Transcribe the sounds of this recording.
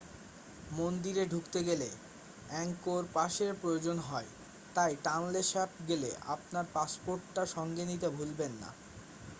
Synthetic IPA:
mond̪iɾeɖʱukt̪eɡele | ɛŋkoɾpaʃeɾpɾojod͡ʑonɦɔe | t̪ajʈanleʃɛpɡelḛʔa̰pnaɾpaspoɾʈːaʃɔŋɡenit̪ebʱulbenːa̰

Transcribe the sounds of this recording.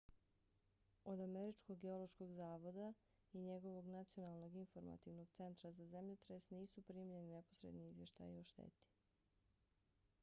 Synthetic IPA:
od̪ameɾit͡ʃko̞ɡːeo̞lˠo̞ʃko̞ɡzaːʋo̞d̪a | iɲe̞ɡo̞ʋo̞ɡnat̪sio̞nalˠno̞ɡinfo̞ɾma̰t̪iʋno̞ɡt̪se̞nt̪ɾazazemʎet̪ɾesniːsupɾiːmʎe̞nine̞posɾḛd̪niizvje̞ʃt̪a̰jioʃt̪ḛːt̪i̥

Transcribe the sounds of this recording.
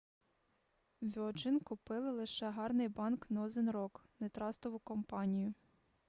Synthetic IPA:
ʋʲɔd͡ʒɪnkʊpɪlˠɪlˠɪʃɛɦɑrnɪjbɑnknɐɔzɪnɾɔknet̪ɾɑst̪ɔʋʊkɔmpɑnʲijʊ

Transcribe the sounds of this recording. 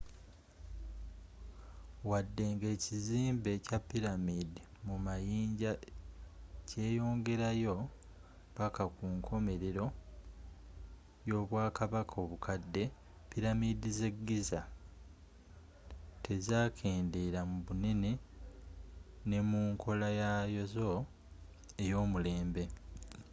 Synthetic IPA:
wadːe̞ŋɡe̞ːciziːmbe̞capːiɾamidi | mumajiːɲɟa | cʰe̞ːjo̞ːŋɡe̞ɾajo̞ | βakakuːŋkʰo̞me̞ɾeɾo̞ | jo̞ːβwaːkaβakʰo̞ːβukʰadːe̞ | piɾamidize̞ɡːiza | tʰe̞zaːkʰeːndeɾamuβuneni | ne̞muːŋkʰo̞lajajo̞zo̞ | e̞jo̞ːmule̞ːmbe̞

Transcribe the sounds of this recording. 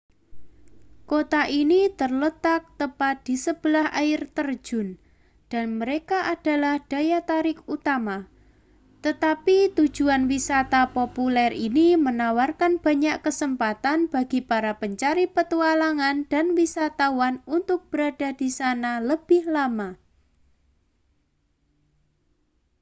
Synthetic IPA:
kot̪aʔinit̪ərlət̪ak̚t̪əpat̪̚d̥isəb̥əlaha̰ɪrt̪ər̥d͡ʒ̥ʊ̤n | d̥a̤nməɾekaʔad̥a̤lahd̥a̤jat̪aɾɪkut̪ama | t̪ət̪apit̪u̥d͡ʒ̥uanwisat̪apopulɛrinimənawarkanb̥a̤ɲaʔkəsəmpat̪anb̥a̤ɡipaɾapəɲt͡ʃaɾipət̪ualaŋand̥a̤nwisat̪awanunt̪ʊk̚b̥əɾad̥a̤d̥isanaləb̥ɪhlama

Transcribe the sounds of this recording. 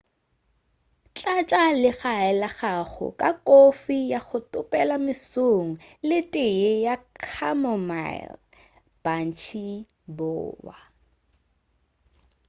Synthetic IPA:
t͡ɬʼat͡ʃʼalɪɣaɛlaχaχʊ̰kʼakʼofijaχʊtʼʊpʼɛlamɪsoŋ̩lɪtʼɪejakʰamɔma̰ɪl | b̥an̩t͡ʃʰi | bʊ̰ːwa

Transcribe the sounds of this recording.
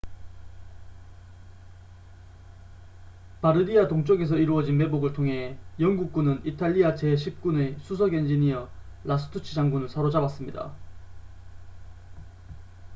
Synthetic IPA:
paɾɯdiatoŋt͡ɕ͈ʌɡe̞s̬ʰʌiɾuʌd͡ʑinme̞boɡɯɭtʰoŋɦe̞jʌŋɡuk̚k͈unɯnitʰaʎːiat͡ɕeɕʰip̚k͈unesʰusʰʌɡend͡ʑiniʌlʔas͈ʰɯ̥tʰut͡ɕʰid͡ʑaŋɡunɯɭsʰaɾod͡ʑabas͈ɯmɲida̰

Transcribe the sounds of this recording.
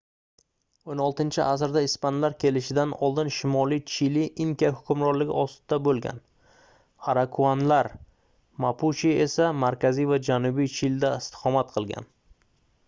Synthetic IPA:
onɒlˠt̪ɪnt͡ʃʰɪʔasɾd̪aɪspanlaɾkʲʰe̞lɪʃɪd̪anɒlˠd̪ɪnʃɪmɒlˠijt͡ʃʰɪliʔɪŋkʲahʊkʲʊmɾɒɾlɪɡʲɪ̰ʔɒst̪d̪̥abolˠɡʲa̰n | aɾakʰuanlaɾ | mapʰut͡ʃie̞samaɾkʲazijvad͡ʒanʊbijt͡ʃʰɪld̪aɪst̪ʰɪ̥qɒmat̪̚qʰɨlˠɡʲa̰n

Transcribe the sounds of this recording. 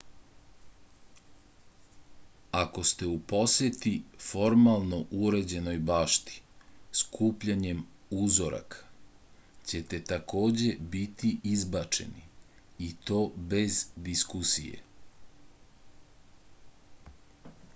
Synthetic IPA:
ako̞st̪e̞upo̞sjet̪ifo̞ɾmalˠno̞ʔuɾed͡ʑe̞no̞jbaːʃt̪i̥skʰuːpʎaɲe̞muzo̞ɾa̰kʰḁ | t͡ɕet̪e̞t̪ako̞ːd͡ʑe̞bit̪iʔizbat͡ʃe̞̰niː | t̪o̞ːbe̞zd̪iskusḭjḛ

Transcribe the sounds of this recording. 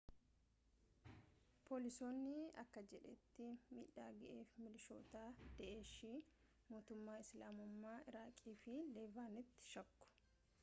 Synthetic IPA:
pʰo̞ːlɪso̞ːnːɪɐkːɐd͡ʒɛᶑɛt̪ːɪmḭːᶑaːɡɐʔeːfmɪlɪʃo̞ːt̪aːd̪̥ɛʔe̞ːʃiː | moːt̪ʊmːaːɪslaːmʊmːaːɪɾaːkʼːiːfɪleːvaːnɪt̪ːɪ̥ʃɐkːʊ̥

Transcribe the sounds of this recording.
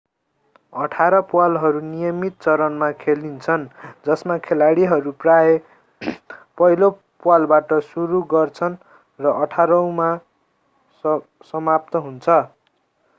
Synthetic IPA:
ʌʈʰaɾʌpuwalɦʌɾunijʌmit̪̚t͡sʌɾʌnmakʰelint͡sʰʌnd͡zʌsmakʰelaɽiɦʌɾuprae | pʌɦilo | pwalbaʈʌsuɾuɡʌrt͡sʰʌn | rʌʔʌʈʰaɾʌw̃ma | sʌmap̚t̪ʌɦunt͡sʰʌ

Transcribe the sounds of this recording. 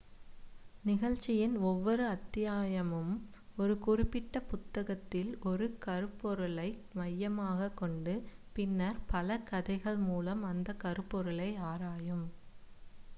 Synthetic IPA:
nɪɣɐɻt͡ʃːɪjɪnɔʋːɔɾɯɐt̪ːɪjaːjɐmɯm | ɔɾɯkʊrɪpːɪʈːɐpʊt̪ːɐɣɐt̪ːɪlɔɾɯkɐɾɯpːɔɾɯlɐɪmɐjːɐmaːɣɐkːɔɳɖɯpɪnːɐɾpɐlɐkɐðɐɪɣɐɭmuːlɐmɐnd̪ɐkɐɾɯpːɔɾɯɭɐɪaːɾaːjɯm

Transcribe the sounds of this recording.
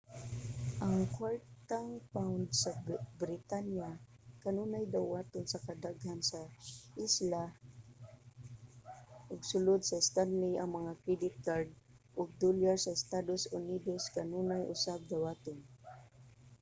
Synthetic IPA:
ʔaŋkwaɹt̪aŋpawnd̪sabɾɪt̪anja | kanunajd̪awaːt̪ʊnsakad̪aɡhansaʔisla | ʔʊɡsʊlʊd̪saɪst̪anliɐŋmɐŋakɹɛd̪ɪt̪̚ɡaɹd̪̚ | ʔʊɡ̚d̪ulaɹsaɪst̪ad̪osʊnid̪oskanuːnajʔʊsab̚ɡ̪awat̪ʊn

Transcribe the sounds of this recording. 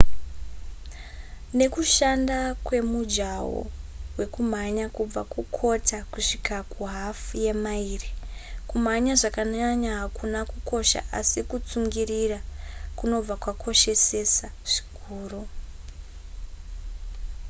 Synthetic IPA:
ne̞kuʃandakwe̞mud͡ʒawo̰we̞kum̤aɲakub͡vakukʰotʰakuʂikʰakuɦafje̞maiːrikum̤aɲaʐakaɲaɲaɦakunakuko̞ʃa̰ʔasikut͡suŋɡirirakuno̞b͡vakwakʰo̞ʃe̞se̞saʐ̥i̥kʰuːro

